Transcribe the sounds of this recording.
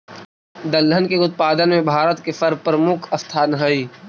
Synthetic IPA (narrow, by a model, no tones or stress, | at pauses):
d̪ɐld̪ʱənkeɡʊt̪̚paːd̪ənmẽbʱaːɾət̪kefɐɾb̚pɾmʊkʰɐst̪ʰaːnɦɐi